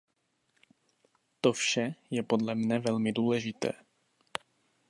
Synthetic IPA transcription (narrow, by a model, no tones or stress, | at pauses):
t̪ofʃɛjɛpo̞dlɛmnɛvɛlmɪduːlɛʒɪt̪ɛ̰ː